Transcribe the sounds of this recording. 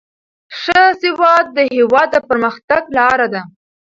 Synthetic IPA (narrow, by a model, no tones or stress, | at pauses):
ʂəzɪwɑd̪̚ːəɦewɑd̪ːəpəɾməxt̪aɡlɑɾad̪a